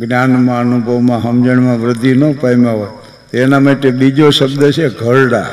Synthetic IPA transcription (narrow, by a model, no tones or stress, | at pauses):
ɡnjanmãənubʱəʋmãɦəmd͡ʒəɳmãʋɾəd̪ʱinəpajmaɦoj | t̪enamaʈeɓid͡ʒoʃəbd̪ət͡ʃʰeɡʱəɭɽa̰